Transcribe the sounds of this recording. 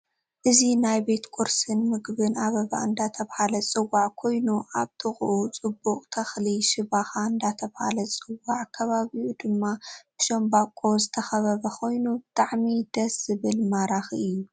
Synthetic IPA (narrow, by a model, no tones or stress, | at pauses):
ʔɨzinajbe̞t̪kʼuɾsɨnmɨɡbɨnaβɐɡa̰ʔɨnd̪at̪ʰɐβhalɐt͡sʼɨwːaʕkʰo̞jnuʔaβt̪ʰɨχʼʔut͡sʼɨbːuqʼt̪ʰɐxliʃɪβaxaɨnd̪at̪ʰɐβha̰lɐt͡sʼɨwaʕkʰɐβaβiʔud̪ɨmːab̥ɨʃombakʼːo̞zɨt̪ʰɐxɐβɐβɐkʰo̞jnubɨt̪ʼaʕmid̪ɐsz̥ɨβɨlmaɾaxiɨjːu